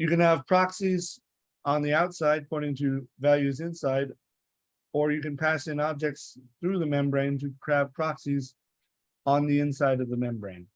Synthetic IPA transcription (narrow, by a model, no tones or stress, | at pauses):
jɨkɨ̃nəv̥pʰɹ̥ɑksiz | ə̃nðiaʊtsaɪd̚pʰɔɪɾɪ̃ŋtʰɨvælˠjʉzɪ̃nsaɪɾ | ə˞jɨkɨ̃npʰæsɨ̃nɑb̚d͡ʒɛk̚tsθɹʉðɨmɛ̃mbɹẽɪ̃ntɨkʰɹ̥æv̥pʰɹ̥ɑksiz | ə̃n̩ðiɪ̃nsaɪɾʌvðɨmɛ̃mbɹẽɪ̃n